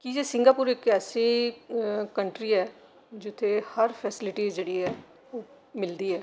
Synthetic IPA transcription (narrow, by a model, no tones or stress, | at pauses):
kid͡ʒeːsɪŋɡaːpuːɾɪkɛːsiː | kəɳʈɾiːɛː | d͡ʒɪt̪ʰːeːhəɾpʰɛːsɪlɪʈiːd͡ʒeːɽiːɦɛː | oː | mɪld̪iːɛː